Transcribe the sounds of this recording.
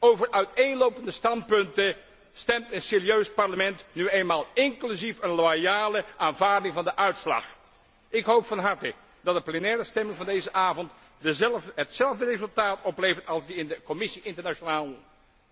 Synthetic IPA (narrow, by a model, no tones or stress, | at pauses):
owvəɹʔœɥtejnlowpəndəstɑnt̚pɵntə | stɛmtənseːriøɥspɑɹləmɛntnyeːjnmaːlˠɪŋklyzifənlajaːləʔaːnvaːɹdɪŋvɑndəʔœɥtslɑ̰χ | ɪkɦowpfɑnɦɑɹtə | dɑt̚dəplɛnɛːrəstɛmɪŋvɑndejzəʔaːvɔnt | dəzɦətsɛlˠvdərezɵlˠtaːtɔplejvəɹtɑlˠzdiɪndəkɔmɪsiʔɪntəɹnat͡ʃonaːlˠ